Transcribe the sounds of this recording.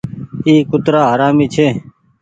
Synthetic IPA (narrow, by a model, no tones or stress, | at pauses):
iːkʊt̪ɾaːɦəɾaːmiːt͡ʃʰeː